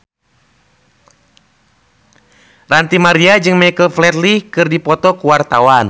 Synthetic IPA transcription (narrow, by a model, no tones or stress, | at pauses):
rant̪imaɾiad͡ʒɨŋmajkəlflɛt̪likɨrdipɔt̪ɔkuwart̪awan